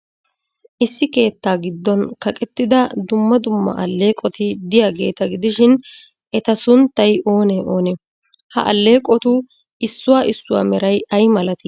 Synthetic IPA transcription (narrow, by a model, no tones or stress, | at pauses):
ʔɪsːɪke̞ːt̪ːaːɡɪd̪ːɔnkɐkʼɛt̪ːɪd̪ɐd̪ʊmːɐd̪ʊmːɐ̰ʔɐlːe̞ːkʼɔt̪ɪd̪ɪjaːɡe̞ːt̪ɐɡɪd̪ɪʃɪn | ʔɛt̪ɐsʊnt̪ːɐjʔo̞ːnɛʔo̞ːnɛ | hɐ̰ʔɐ̰lːe̞ːkʼɔt̪ʊ | ɪsːʊwaːʔɪsːʊwa̰ːmɛɾɐjʔɐjmɐlɐt̪ɪ